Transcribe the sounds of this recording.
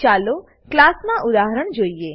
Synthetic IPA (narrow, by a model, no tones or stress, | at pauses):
t͡ʃalo | klasmãʔʊd̪aɦəɾəɽ̃d͡ʒoie